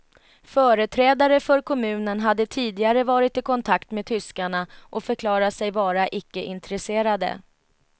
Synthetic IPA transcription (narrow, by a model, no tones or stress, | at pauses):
fœːɾət̪ʰɾɛːd̪aɾəfœɾkʰɔmʉ̟ːnənɦad̪ːət̪ʰiːd̪ɪɡaɾəvɑːɾɪt̪ɪkʰɔnt̪ʰakt̪meːd̪̚t̪ʰʏskaɳaʔɔfœɾkʰlɑːɾat̪sɛjvɑːɾaʔɪkːəʔɪnt̪ɾɛseːɾad̪ə̰